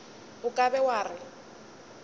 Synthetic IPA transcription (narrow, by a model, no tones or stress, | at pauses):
ʊkʼabɛwaːrɪ